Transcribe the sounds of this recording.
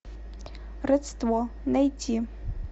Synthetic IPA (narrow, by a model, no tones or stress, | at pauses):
rɨt͡sʰtwɔnajtʰi